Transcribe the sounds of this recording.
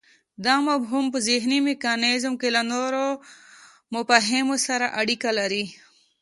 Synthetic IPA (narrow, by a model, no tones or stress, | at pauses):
d̪amabɦumpəziɦnimikaːnezmkelanoɾo | mʊpaɦemosaɾaʔaɽikalaɾi